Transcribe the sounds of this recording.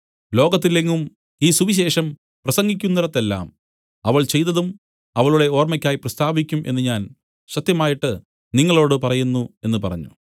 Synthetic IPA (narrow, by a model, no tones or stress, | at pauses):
lo̞ːɡɐt̪̬ːilːeŋːum | iːsuʋiɕ̬e̞ːʂɐm | prɐsɐŋɡikʲːunːiɾɐt̪ːe̞lːa̰ːm | ɐʋɐɭt͡ɕe̞jt̪ːɐðum | ɐʋɐɭuɽe̞o̞ːrmɐkʲːaːjiprɐst̪ʰaːbikʲːumʔe̞nːɨɲaːn | ɕɐt̪jɐmaːjiʈːɨ | niŋːɐɭo̞ːɽɨpɐrɐjunːue̞nːɨpɐrɐ̰ɲːṵ